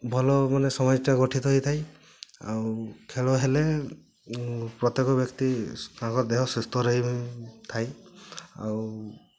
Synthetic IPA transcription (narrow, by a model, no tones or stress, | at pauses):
bʱɔlɔmanesɔmɔd͡ʒɔʈaɡɔʈʰit̪ɔɦojt̪ʰaj | a̰wkʰeɭɔɦele | pɾɔt̪ekɔbjɔkt̪ikãkɔɾd̪eɦɔsest̪ɔɾɔɦit̪ʰaj | a̰w